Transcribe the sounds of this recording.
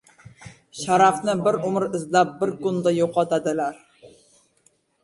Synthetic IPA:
ʃaɾɑfnɪbɪɾʊmɾɪzlæp̚bɪɾkʊnd̪ɑjoqɑt̪ad̪ɪlæɾ

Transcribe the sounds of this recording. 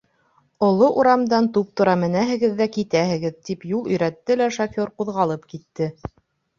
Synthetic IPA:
ŏlˠoʔuɾɑmd̪ɑnt̪up̚t̪uɾɑmɘ̆næɦɘ̆ɡɘ̆ðːækit̪æhɘ̆ɡɘðt̪ipjulˠɵ̆jɾæt̪ːɘlæʃokʲjoɾquðʁɑlˠɤpkit̪ːɘ

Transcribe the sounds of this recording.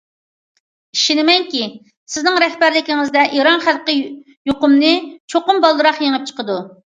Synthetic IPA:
iʃinɪmɛŋkʲi | sɪznɪŋɾɛhbæɾlɪkʲiŋɪzd̪ɛʔiɾɑnχælˠqə | joqʊmnɨt͡ʃʰoqʊmbɑlˠːɨɾɑχjeŋəp̚t͡ʃʰə̥qəd̪u

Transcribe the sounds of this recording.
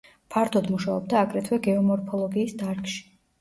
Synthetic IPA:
pʰaɾt̪ʰɔd̪muʃaɔ̰b̚d̪aːɡɾɛt̪ʰwɛɡɛɔmɔɾpʰɔlˠɔɡiːsd̪aɾkʼʃi̥

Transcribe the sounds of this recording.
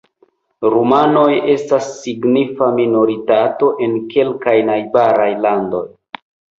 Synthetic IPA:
ɾumano̞je̞stasːiɡnifamino̞ɾitato̞ʔe̞nke̞lkajnajbaɾajlando̞j

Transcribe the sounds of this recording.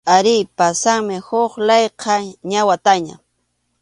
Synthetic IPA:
aɾɪjpasaŋmɪhoχlɑjqʰɑɲawat̪aɲa̰

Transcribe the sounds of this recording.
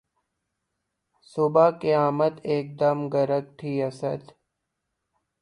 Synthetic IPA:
sʊbakijaːmət̪eːk̚d̪əmɡəɾək̚t̪ʰiːɐsəd̪

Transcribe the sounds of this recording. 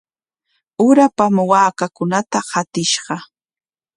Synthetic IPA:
ʊɾapamwaːkakʊnat̪ahat̪ɪʃɢɑ

